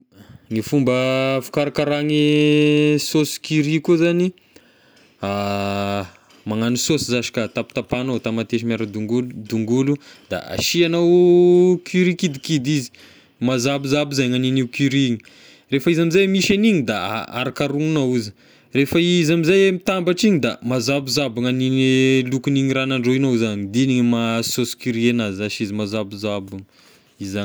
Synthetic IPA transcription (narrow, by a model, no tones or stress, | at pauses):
ŋifumbəfu̥kaɾakaɾaŋi | sosi̥kiɾikuzani | a | maŋanisosizaʃi̥kat̪api̥t̪apanot̪amat̪eʃimaɾəd̪uŋɡulud̪uŋɡulud̪̥a̰a̰ʃianawkʰyɾikid̪ikid̪izi̥ | mazabizabizajŋaniniwkyɾiɲi | refaizamizajmiʃaniɲid̪a̰a̰ɾakaɾuŋunauzi | refaizamizajemit̪ambaʈ͡ʂiɲid̪amazabuzabaŋaninilukiniŋiɾanaɳɖ͡ʐoinowzand̪iniŋmasoskyɾienazaʃizimazabizabuŋ | iza